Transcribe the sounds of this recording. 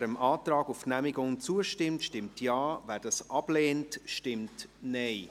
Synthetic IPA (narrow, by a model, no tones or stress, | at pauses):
ɾəmʔɑːtɾɑːɡʊfnæmɪɡʊŋt͡suəʃtɪmtʃtɪmtjɑːvɛːɾd̥ɑsʔɑb̥leːntʃtɪmtnɛɪ